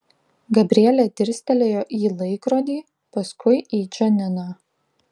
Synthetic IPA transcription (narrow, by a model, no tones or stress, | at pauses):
ɡɐbʲɾʲiɛlʲɛt̪ʲɪɾʲsʲt̪ʲɛlʲeːjoːʔiːlˠɐɪkɾoːd̪ʲiː | pɐskʊɪʔiːt͡ʃʲɛnʲɪnɑː